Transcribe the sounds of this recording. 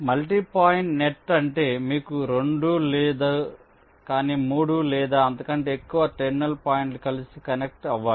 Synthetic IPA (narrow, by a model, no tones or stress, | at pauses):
mɐlʈiːpaːjiɳʈneʈːɐɳʈe̞ːmiːkuɾe̞ɳɖulɛːd̪a | kaːniːmuːɽulɛːd̪aːɐnd̪ɐkɐɳʈe̞ːkːuʋɐʈeɾnɐlpaːjiɳʈkɐlisikɐnek̚ʈɐʋːaːɽi